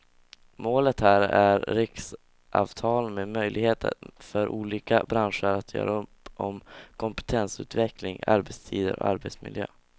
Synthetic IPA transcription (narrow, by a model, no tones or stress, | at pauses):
moːlət̪hæːɾæɾɾɪks | ʔɑːvt̪ʰɑːlmemœjlʔɪɡheːt̪ə̰fœɾʔuːliːkabɾanʂəɾat̪ʰjœ̰ːɾaɵpɔmkʰɔmpɛ̥t̪ʰɛnsʉ̟ːt̪vɛklɪŋa̰ɾbɛt̪st̪ʰiːd̪əɾɔ̰ʔaɾbɛt̪smɪ̰ljø̰ː